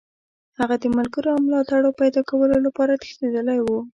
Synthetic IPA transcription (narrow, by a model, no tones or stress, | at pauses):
haɣad̪əmʊlɡəɾoamlɑt̪aɽopajd̪ɑkawəlolapɑɾat̪ɪ̥xt̪ed̪əlajwu